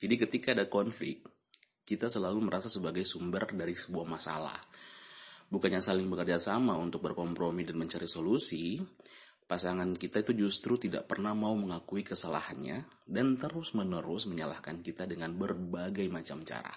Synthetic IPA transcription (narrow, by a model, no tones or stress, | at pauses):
d͡ʒadikət̪ikaːdakɔnflɪ̰k̚t̪̚ | kit̪asəlaluməɾasasəbaɡajsumbərdaɾisəbuahmasa̰la̰h | bukanɲasalɪŋbəkərd͡ʒasamaunt̪ʊk̚bərkɔmpɾomidanməɲt͡ʃaɾisolusi | pasaŋankit̪ait̪ud͡ʒust̪ɾut̪ida̰ʔpərnahmauməŋakuikəsala̰hanɲa̰ | dant̪əɾʊsmənəɾʊsməɲala̰hkankit̪adəŋanbərbaɡajmat͡ʃamt͡ʃa̰ɾa̰